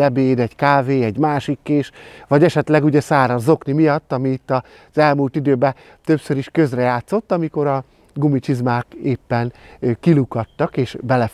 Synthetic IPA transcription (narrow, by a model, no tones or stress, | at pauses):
ɛbeːd̪ɛɟkaːveːɛɟmaːʃikːeːʃʋɒɟɛʃɛt̪lɛɡuɟɛsaːɾɒzo̞knimijɒt̪ːɒmiːt̪ːɒ | z̥ɛlmuːlt̪id̪øːbɛ | t̪ø̞psøɾiʃkø̞zrɛjaːt̪so̞t̪ːɒmiko̞ɾɒ | ɡumit͡ʃizmaːkeːpːɛnkilukɒt̪ːɒkeːʃbɛlɛ